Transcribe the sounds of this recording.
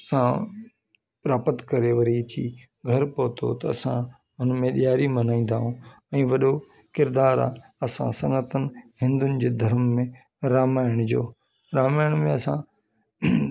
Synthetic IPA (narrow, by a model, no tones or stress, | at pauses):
sã | pɾaːpət̪kɐɾeʋɐɾit̪ʰḭː | ɡʱɐɾpoːt̪ʰo̰t̪ɐɐsã̰ | ʊnmẽɗijaːɾimɐnaːĩːn̆d̪aːɦũ | ɛ̃ːʋɐɗo | kɪɾd̪aːɾa̰ːɐsã̰sɐnət̪ənɪ̆hɪ̃nd̪ʊnɪ̆d͡ʑeːd̪ʱɐɾəmːẽ | ɾaːmaːɪɽ̃d͡ʑo̰ː | ɾaːmaːɪɽ̃mẽɐsã